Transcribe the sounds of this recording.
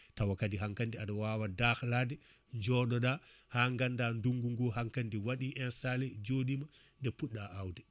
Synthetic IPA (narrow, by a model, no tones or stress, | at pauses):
tawakadiɦaŋkandiaɗɔwawadaxladɛ | ɲd͡ʒɔɗɔɗahaːŋɡandanduŋɡuŋɡɔhaŋkandiwaɗiʔɛnsalɛd͡ʒoɗima | ndɛpuɗːaʔawdɛ